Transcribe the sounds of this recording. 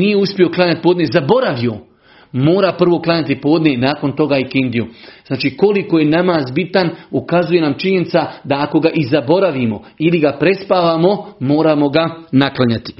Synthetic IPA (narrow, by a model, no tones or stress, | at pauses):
nijeuspio̞klˠaɲat̪̚poːd̪nezabo̞ɾaʋio̞ | mo̞ːɾapr̩ʋo̞klˠaɲat̪ipo̞ːd̪nenaːko̞nt̪o̞ɡaːikind̪iuznaːt͡ʃiːko̞liko̞je̞namaːzbit̪anukazuje̞naːmt͡ʃiɲe̞nit̪sad̪aːko̞ɡaʔizabo̞ɾaʋimo̞iliɡapɾe̞spaːʋamo̞mo̞ːɾaːmo̞ɡanaklˠaɲat̪i̥